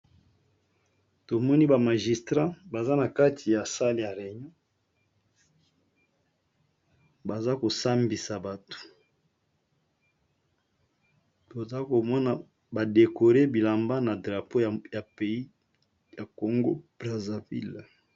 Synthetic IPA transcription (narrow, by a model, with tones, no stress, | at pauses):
to˨mɔ˦ni˦ba˨ma˨ʒi˨stʁa˦ba˨za˦na˨ka˦tʰi˨ja˨sa˦li˨ja˨ʁe˨ɲɔ˦ | ba˨za˦ko˨sa˦mbi˨sa˨ba˨to̥˨ | to˨za˦ko˨mɔ˦na˨ | ba˨de˨ko˨ʁe˦bi˨la˨mba˦na˨dʁa˨po˦jja˨pe˨i˦ | ja˨ko˨ŋɡo̰˦b̥ʁa˨za˨vḭ˦l